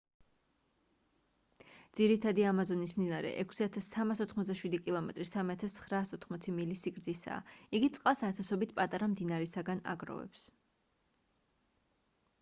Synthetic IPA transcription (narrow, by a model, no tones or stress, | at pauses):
d̪z̥iɾit̪ʰad̪iamazɔnismd̪inaɾɛ̰ʔɛkʰsiat̪ʰasːamasɔt̪ʰχmɔt̪d̪aʃwid̪ikʼilˠɔmɛt̪ʼɾisamiat̪ʰast̪sʰχɾaːsɔt̪ʰχmɔt̪sʰimilisiɡɾd̪zisa̰ːiɡit̪sʼqʼalˠsat̪ʰasɔbit̪ʰpʼat̪ʼaɾamd̪inaɾɛsaɡana̰ɡɾɔ̰vɛ̰ps